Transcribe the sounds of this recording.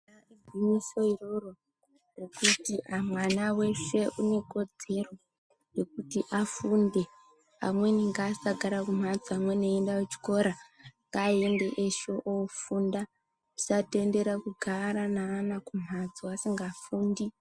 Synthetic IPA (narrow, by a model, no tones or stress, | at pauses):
aebʱiniso̞iroro | rekutiʔamwanawe̞ʃe̞ʔune̞ko̞d͡ze̞ro̞ | re̞k̚utiʔafunde̞ | a̰mwe̞niŋɡaːsaɡʱaɾakum̤ad͡ziamwe̞neendawet͡ʃi̥ko̞ɾaŋɡaːende̞ʔeʃo̞ʔofunda | u̥sate̞nde̞ɾakuɡʱaɾanaːnakum̤ad͡ziasiŋɡaːfuːndi